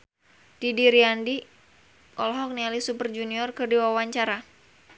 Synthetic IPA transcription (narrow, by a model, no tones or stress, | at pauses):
d̥idiɾiandi | ʔɔlɦɔk̚nialisupərd͡ʒuniɔrkɨrdiwawaɲt͡ʃaɾa